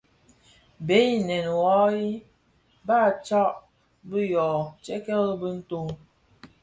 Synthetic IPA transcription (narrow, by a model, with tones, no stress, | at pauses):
be˨˦i˦nɛ˨n˨wɔ˦i˦ | ba˦˨t͡ʃɔ˦ʔ | bə˦jɔ˨t͡ʃɛ˦kɛ˦lbə˦n̩˦to˦ŋ